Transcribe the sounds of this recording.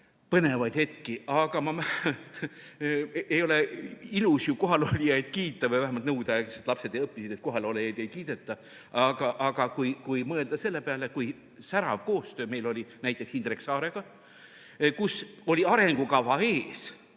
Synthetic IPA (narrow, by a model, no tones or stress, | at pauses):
pɤne̞vɑjd̪̥he̞t̪kiɑɡ̥ɑmɑmæ | ejo̞le̞ilusjuko̞ɦɑlolijɑjd̪̥kiːt̪ːˑɑvɤjvæɦemɑlt̪nɤwd̪̥ɑekset̪lɑpse̞d̪ejɤpːˑisid̪̥e̞t̪̚ko̞ɦɑlolejɑjd̪ejkiːd̪̥e̞t̪ːˑɑ | ɑɡ̥ɑʔɑɡ̥ɑkujkujmɤe̞ld̪̥ɑse̞lːe̞peɑlekuj | sæɾɑ̰vko̞ːst̪ø̞ːme̞jlo̞lʲinæjt̪ˑːe̞ksind̪ɾeksɑːɾe̞ɡ̥ɑ | kuso̞lʲiɑɾe̞ŋɡ̥ukɑvɑeːs